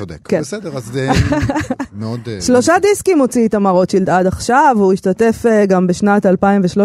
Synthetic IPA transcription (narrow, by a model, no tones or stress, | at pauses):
od̪ekkebesedeʁaz | meod̪ʃlo̞ʃadiskimot͡siet̪amaʁo̞tʃild̪ad̪aχʃavuiʃtate̞feɡambeʃnatalpaimveʃlo